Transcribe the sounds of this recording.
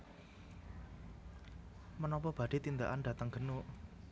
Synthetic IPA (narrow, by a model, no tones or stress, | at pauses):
mənɔpɔb̥ä̤d̥i̤t̪ind̪aʔand̪a̤t̪əŋɡ̥ə̤nu